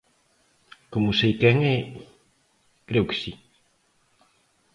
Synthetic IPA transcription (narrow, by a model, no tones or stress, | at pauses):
komʊsejkɛŋɛ | kɾewkɪ̥si